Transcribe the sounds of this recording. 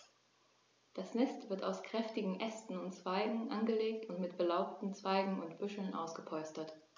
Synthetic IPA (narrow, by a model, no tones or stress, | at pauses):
d̥asnɛstv̥ɪɐtaʊskʁ̥ɛftɪɡŋ̩ʔɛstn̩ʊntt͡sv̥aɪɡŋ̩ʔanɡəleːktʊntmɪtb̥əlaʊp̚tn̩t͡sv̥aɪɡŋ̩ʊntb̥ʏʃl̩nʔa̰ʊsɡ̥əpʰɔʏstɐt